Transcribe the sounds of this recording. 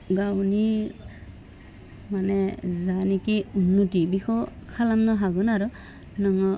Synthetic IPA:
ɡawni | manɛzanikiunːutibixɔkʰalamnɔɦaɡɔnaɾɔ | nɔŋɔ

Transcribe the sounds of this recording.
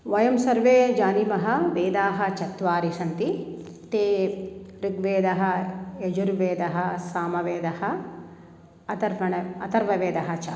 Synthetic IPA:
ʋɐjɐmsɐɾʋeːd͡ʒaːnimɐɦɐ̆ʋeːd̪aːɦɐ̆t͡ʃɐt̪ʋaːɾisɐnt̪i | t̪eːɾiɡʋeːd̪ɐɦɐ̆ed͡ʒuɾʋeːd̪ɐɦɐ̆saːmɐʋeːd̪ɐhɐ | ɐt̪ɐɾpɐɳɐɐt̪ɐɾʋɐʋeːd̪ɐɦɐt͡ʃa

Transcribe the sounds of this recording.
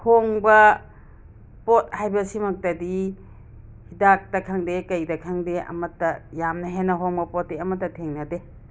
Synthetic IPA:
hoŋbɐ | pot̚hajbɐsimɐk̚tɐdi | hidak̚tɐkʰaŋdekɐjdɐkʰaŋdeɐ̰mɐtːɐjamnɐɦenːɐɦoŋbɐpɔt̚ːeɐmɐtːɐtʰeŋnɐde

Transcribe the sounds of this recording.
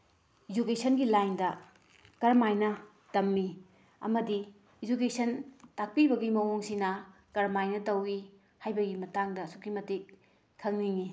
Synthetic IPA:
id͡ʒukesɐnɡilajndɐ | kɐɾmajnɐ | tɐmːi | ɐ̰mɐdi | id͡ʒukesɐntak̚pibɐɡimɐwoŋsinɐ | kɐɾmajnɐtɐwi | hajbɐɡimɐtaŋdɐsukimɐtik | kʰːɐŋniŋi

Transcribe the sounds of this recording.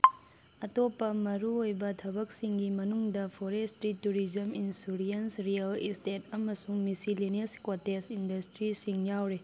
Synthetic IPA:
ɐtopːɐmɐɾuojbɐtʰɐbɐk̚siŋɡimɐnuŋdɐpʰoɾestɾituɾizɐminsuɾiensɾijɐlistetɐmɐsuŋmisilineskotesindɐstɾisiŋjawɾe

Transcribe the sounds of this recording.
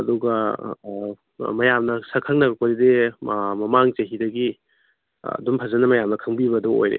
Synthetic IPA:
ɐduɡɐ | mɐjamnɐsɐkʰɐŋ̚nɐɡɐkpɐɾidemɐmaŋt͡ʃɐɦidɐɡḭ | dumpʰɐzɐnɐmɐjamnɐkʰɐŋbibɐduo̰jɾḛ

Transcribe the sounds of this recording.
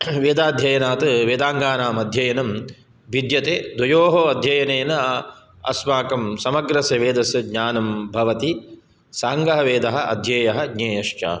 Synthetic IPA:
ʋeːd̪aːd̪ʱjɐjɐnaːt̪ɐʋeːd̪aːŋɡaːnaːmɐd̪ʱjɐjɐnɐm | ʋid̪jɐt̪eːd̪wɐjoːɦoːɐd̪ʱjɐjɐneːnɐ | ɐ̰smaːkɐmsɐmɐɡɾɐsɐʋeːd̪ɐsɐɡɲaːnɐmbʱɐʋɐt̪i | saːŋɡɐɦɐʋeːd̪ɐɦɐ̆ʔɐ̰d̪ʱjɐːjɐɦɐɡɲeːjɐʃt͡ʃa̰ː

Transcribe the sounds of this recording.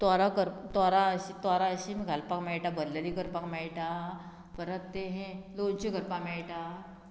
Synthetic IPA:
t̪aɾakəɾt̪aɾaəɕit̪aɾaəɕimiɡʱalpakmɛɭʈabəd̪ləlikəɾpakmɛɭʈa | bəɾat̪ːeɦẽlont͡ɕiɡʱəɾpamɛɭʈa

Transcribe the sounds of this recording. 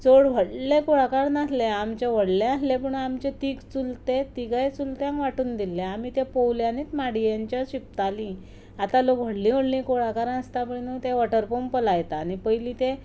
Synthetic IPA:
t͡soɽʋʱəɽlekoɽakaɾnaslẽamt͡ɕeʋəɽlẽaslep̬əɳamt͡ɕet̪iːɡt͡sult̪et̪iɡajt͡sult̪jãŋkʋaʈuːnd̪ilːeamiːt̪epəwljaniːt̪maɽijaɲt͡ɕjaɕip̚t̪alĩ | at̪alokʋ̤ʱəɽlĩʋəɽlĩkoɽakaɾnəst̪apəɳinət̪eʋaʈəɾpompəlajt̪aːnipəjlĩt̪e

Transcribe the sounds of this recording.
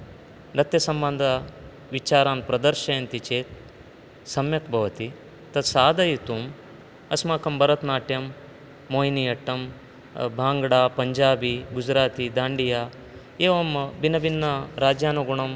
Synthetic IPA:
ɾɐt̪jɐsɐmbɐnd̪ʱɐ | ʋit͡ʃaːɾaːnpɾɐd̪ɐɾʃɐjɐnt̪it͡ʃeːt̪̚ | sɐmjɐkbʱɐʋɐt̪i | t̪ɐt̪saːd̪ɐjit̪um | ɐsmaːkɐmbʱɐɾɐt̪naːʈjɐmː | oːjnijɐʈːɐm | bʱaːŋɡɐɽaːpɐɲd͡ʒaːbiɡud͡ʒɾaːt̪id̪aːɳɖijaː | eːʋɐmbinɐbinːɐɾaːd͡ʒjaːnuɡuɳɐm

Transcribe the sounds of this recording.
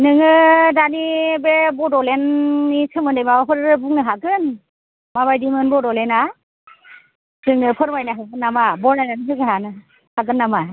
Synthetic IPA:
nɯŋɯdanibebɔdɔlenːitʰɯmɯndɯjmapʰɯɾɯbuŋ̚nɯɦaɡɯn | maβajdimɯnbɔdɔlena | sʰɯŋnɯpʰɯɾmajnaɦaɡɯnːamabɔɾnajnanisʰɯɡɯɦanɯ | haɡɯnːama

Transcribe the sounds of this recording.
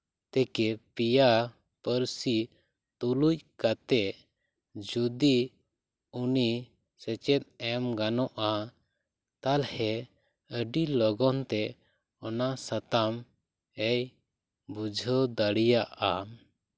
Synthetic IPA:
t̪ɛkɛpija | pəɾsi | t̪uluc̚ˀkat̪ɛʔ | d͡ʒud̪i | uni | sɛt͡ʃɛt̪̚ɛmɡanɔʔa | t̪alhɛ | əɖilɔɡɔnt̪ɛ | ɔnasat̪am | ɛj | bud͡ʒʱəd̪aɽijaʔa

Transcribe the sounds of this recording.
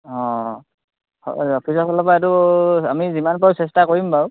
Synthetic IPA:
ɔ̃ | hɔ̰ɔpʰisɔpɔlɔpaatuamizimanpɔsɛs̬takoɹimbaw

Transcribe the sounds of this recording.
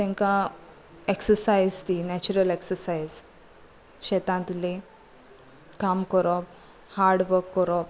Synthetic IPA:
t̪ɛ̃ŋkã | eksəɾsajzt̪inɛt͡ɕuɾəleksəɾsajz | ɕet̪ãnt̪ule | kamkəɾɔp | haɾɖʋəɾkːəɾɔp̚

